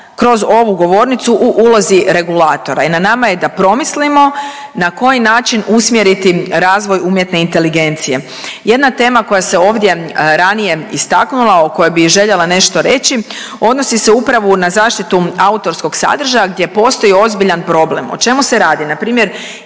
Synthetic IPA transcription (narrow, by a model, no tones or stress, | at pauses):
kɾo̞zo̞ʋuɡo̞ʋo̞ːɾnit̪suʔuʔulˠoziɾe̞ɡulaːt̪o̞ɾa̰inanamaje̞d̪apɾo̞mislimo̞ | nako̞jinaːt͡ʃinusmjeɾit̪iɾaːzʋo̞juːmje̞t̪ne̞int̪e̞liɡe̞nt̪sije̞ | je̞d̪nat̪e̞ːmako̞jase̞o̞ːʋd̪je̞ɾanije̞ist̪aknulˠaoko̞jebiʒe̞ʎe̞lane̞ʃt̪o̞ɾe̞t͡ɕi | o̞d̪no̞sise̞upɾaʋunazaːʃt̪it̪uaut̪o̞ɾsko̞ɡsa̰d̪r̩ʒajaɡd̪je̞po̞ːst̪o̞jio̞zbiʎanpɾo̞ble̞mo̰t͡ʃe̞muse̞ɾaːd̪inapɾiːmjeɾ